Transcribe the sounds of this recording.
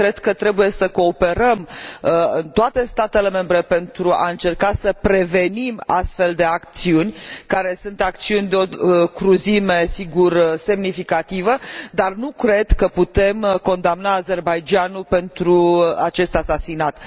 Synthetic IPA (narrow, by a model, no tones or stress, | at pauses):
kɾe̞d̪kət̪ɾe̞buje̞səko̞ːpe̞ɾəm | ɨnt̪oat̪e̞st̪at̪e̞le̞me̞mbɾe̞pe̞nt̪ɾua̰ɨnt͡ʃe̞rkasəpɾe̞ve̞nima̰st̪fe̞ld̪e̞akt̪siunʲkaɾe̞sunt̪ak̚t̪siunʲd̪eo̞kɾuzimesiɡurse̞mnifikat̪ivəd̪arnukɾe̞d̪kəput̪e̞mko̞nd̪amnaːze̞rbajd͡ʒanupe̞nt̪ɾuat͡ʃe̞st̪asasinat̪